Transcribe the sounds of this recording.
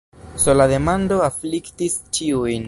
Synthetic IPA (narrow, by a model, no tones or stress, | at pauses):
so̞lade̞mando̞afliktist͡ʃiujn